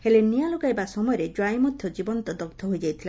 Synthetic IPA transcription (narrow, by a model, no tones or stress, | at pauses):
helenijaloɡajbasɔmɔjɔɾed͡ʒwajmɔd̪ʱjɔd͡ʒibɔnt̪ɔd̪ɔkt̪ʰɔɦojd͡ʒajt̪ʰila